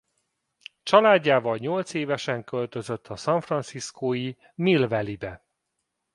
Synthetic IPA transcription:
t͡ʃɒlaːɟːaːvɒlɲo̞lt̪seːvɛʃɛŋkø̞lt̪ø̞zøt̪ʰːɒsɒɱfrɒnsiskoːji | milvɛlibɛ

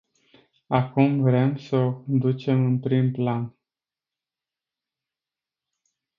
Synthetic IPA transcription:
akumvɾeemsəd̪ut͡ʃe̞mɨnpɾimplan

